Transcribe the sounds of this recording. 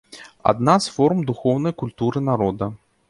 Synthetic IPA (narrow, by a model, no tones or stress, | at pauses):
a̰d̪nasfɔɾumd̪uxɔwnɐjkulʲt̪uɾɨnaɾɔd̪ɐ